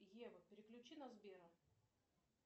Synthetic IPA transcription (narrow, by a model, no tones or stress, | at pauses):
jevɨpʲɪɾʲɪklʲʉt͡ɕinɐzbʲeɾɐ